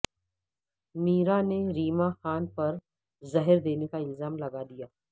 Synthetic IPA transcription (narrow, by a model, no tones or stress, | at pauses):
miːɾaneɾiːmaxaːnpɐɾ | zɐɦəɾd̪eːnekaɪlzaːmlɐɡad̪ijaː